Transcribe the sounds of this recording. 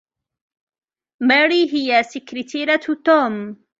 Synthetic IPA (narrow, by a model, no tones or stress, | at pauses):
maɾiːɦɪjasɪkɾɪt̪ʰiɾat̪oːm